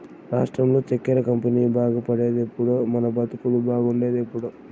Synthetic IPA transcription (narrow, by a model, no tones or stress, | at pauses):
ɾaːʂʈɾɐmlo̞ːt͡ʃekːɐɾɐkɐmpiniːbaːɡɐpɐɽe̞ːd̪epːuɽoːmɐnɐbɐt̪ukulubaːɡuɳɖe̞ːd̪epːuɽu